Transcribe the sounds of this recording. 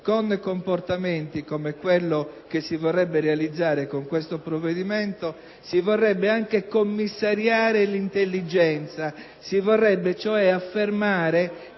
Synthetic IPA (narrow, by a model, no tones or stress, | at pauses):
konkomport̪ament̪ikomekwelːokesːivɔrːɛbːeɾealid̪zːaːɾekoŋkwest̪opɾovːed̪iment̪o | sivɔrːɛbːeaŋkekomːisːaɾjaːɾelint̪elːid͡ʒɛnt̪sa | sivɔrːɛbːet͡ʃoɛafːermaːɾe